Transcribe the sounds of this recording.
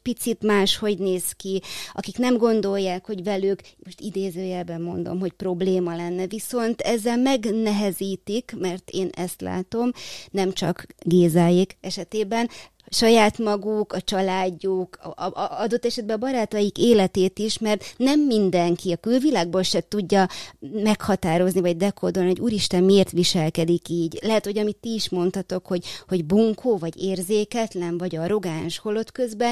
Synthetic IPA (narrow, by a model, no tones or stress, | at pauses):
pit̪sit̪maːʃho̞ɟneːskiɒkiknɛmɡo̞nd̪o̞ljːaːkho̞ɟvɛlyːkmo̞ʃt̪id̪eːzøːjɛlbɛmːo̞nd̪o̞̰mɦo̞cpro̞bleːmɒlɛnːɛviso̞nt̪ɛzːɛlmɛɡnɛɦɛziːt̪ikmɛrt̪eːnɛst̪la̰ːt̪o̞mnɛmt͡ʃɒkɡeːzaːjikɛʃɛt̪eːbɛn | ʃɒjaːt̪mɒɡukɒt͡ʃɒlaːɟːukɒd̪o̞t̪ːɛʃɛd̪̚bɛːbɒɾaːt̪ɒjikeːlɛt̪eːt̪iʃmɛrt̪nɛmːind̪ɛŋkiɒkylvilaːɡ̚boːlʃɛt̪uɟːɒmɛkhɒt̪aːɾo̞znivɒɟ̚d̪ɛkod̪o̞lniɦoɟuːɾiʃt̪ɛmmieːrt̪ʋiʃɛlkɛd̪ikiːɟlɛɦɛt̪ho̞ɟɒmit̪ːiːʃmo̞nt̪ɒt̪o̞kho̞ɟho̞ɟbuŋkʰoːvɒɟeːrzeːkɛt̪lɛnvɒɟɒɾo̞ɡaːnʃho̞lo̞t̪kø̞zbɛ